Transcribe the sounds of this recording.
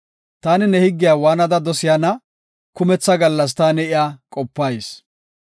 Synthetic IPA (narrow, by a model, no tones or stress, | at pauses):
t̪aːnɪnɛhɪɡːɪjaːwaːnɐd̪ɐd̪ɔsɪjanɐ | kʊmɛt͡sːɐɡɐlːɐs̬t̪aːnɛɪjaːkʼɔpːɐjs